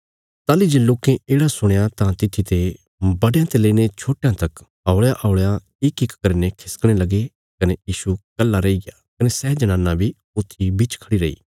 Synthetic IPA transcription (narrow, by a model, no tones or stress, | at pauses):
t̪aːlid͡ʒeːloːkẽeːɽasʊɽ̃jat̪ãt̪ɪt̪ʰːit̪e | bɐɽejãt̪eleːiñet͡ʃʰoːʈːjãt̪ɐk | aːɭjaʔaʊɭja | ɪkɪkːɐɾnekʰɪskɽ̃elɐɡe | kɐnejiːʃukɐlːaɾɐiɡa | kɐnesɛːd͡ʒɐnãːnːãbʱi | ʊt̪ʰːibɪt͡ʃkʰɐɽiɾɐḭː